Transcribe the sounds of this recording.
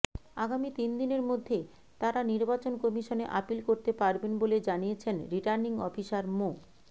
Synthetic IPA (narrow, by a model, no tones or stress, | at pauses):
aɡamit̪ind̪ineɾmod̪ʱːe | t̪aɾaniɾbat͡ɕonkɔmiʃoneʔapilkoɾt̪epaɾbenboled͡ʑanijet͡ɕʰenɾiʈaɾniŋɔ̰fʰiʃaɾmo